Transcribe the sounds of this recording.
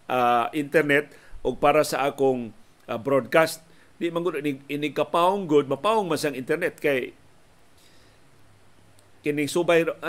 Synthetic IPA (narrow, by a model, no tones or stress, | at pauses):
ʔaʔɪnt̪ɛɾnɛt̪̚ʔʊɡ̚paːɾasaʔaːkoŋ | abɾod̪̚kast̪̚ | d̪ɪʔmaŋɡʊd̪nɪɡɪnɪɡ̚kapaʊŋɡʊd̪̚mapaʊŋmansaŋʔɪnt̪ɛɾnɛt̪̚kaj | kɪnɪŋsubajʔ